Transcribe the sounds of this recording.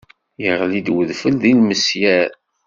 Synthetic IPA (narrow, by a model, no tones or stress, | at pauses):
jəʁlid̪wəðfəlðilməsjæɾ